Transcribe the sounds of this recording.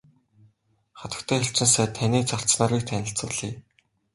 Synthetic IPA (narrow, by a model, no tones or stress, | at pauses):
χat̪ə̆kt̪ʰœːxeɬt͡ɕɪ̆nsæːt̪ʰaniːt͡sɔr̥snaːɾwiːk̚t̪ʰænʲɪ̆ɬt͡sʊːɮiː